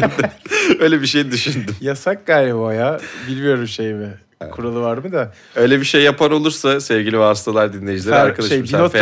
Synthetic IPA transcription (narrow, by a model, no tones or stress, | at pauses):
d̪ɛøjlʲebiʃejid̪yʃynd̪ymjasak̚ɡaːjlʲɛbajabilʲmijo̞ɾumʃejmɪ | kʰuɾalˠɯvaɾmɯd̪a | ø̞jlʲebiʃejːapʰano̞lˠuɾsasɛvɟilʲivɛɦast̪ʰalˠaɾd̪inlʲejid͡ʒilʲeaɾkʰad̪aʃjbino